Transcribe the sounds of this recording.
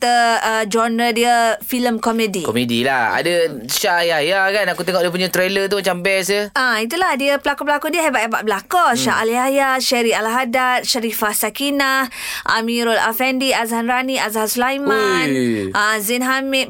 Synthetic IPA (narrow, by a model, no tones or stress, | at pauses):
t̪əəd͡ʒɔndədiəfiləmkɔmədikɔmedḭlaha̰dəʃaʔaliajakanakut̪eŋɔʔdiəp̬uɲat̪ɾelət̪umat͡ʃambɛsəait̪ulahdiəpəlakupəlakudiəɦebaʔeba̰ʔ̚bəlakɔʃaʔaliajaʃaɾialaɦadat̪̚ʃaɾifahsakinah | ʔamiɾɔla̰fɛndiazaɦanraniazaɦasulajmanazinɦamit̚